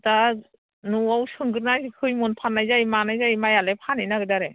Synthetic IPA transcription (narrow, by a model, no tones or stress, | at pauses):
ta | nuawsɯŋɡɯɾnajkʰɯjmɔnpʰanːajzajmanajzajmajalepʰanajnaɡɯdaɾe